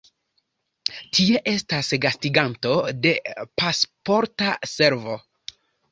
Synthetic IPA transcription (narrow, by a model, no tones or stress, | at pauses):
tʰie̞ʔe̞stasɡastiɡanto̞de̞paspo̞ɾtase̞ɾvo̞